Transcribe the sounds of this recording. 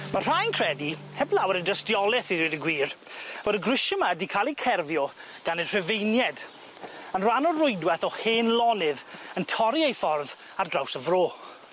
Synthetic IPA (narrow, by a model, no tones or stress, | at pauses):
mar̥ajnkʰr̥ɛdi | hɛblˠawəɾədəstjɔlˠɛθiwidəɡwiːr | vodəɡrɪʃəmadikʰalˠikʰɛrvjɔ | ɡ̥anər̥ɛvejnjɛd | ənranɔrʊɨdwɛθɔheːnlˠɔnɪðəntʰɔɾiejfɔrð | ardrawsəvroː